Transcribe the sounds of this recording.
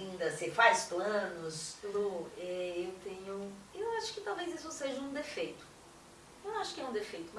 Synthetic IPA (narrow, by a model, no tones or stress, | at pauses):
ĩd̪ɐsɪfajsplɐ̃nʊsloɛewt̪ẽɲʊewaʃʊ̥kɪt̪awvezisʊseʒɐũd̪efejt̪ʊ̥ | ewnɐ̃aʃʊ̥kɪɛũd̪efejt̪ʊmɐ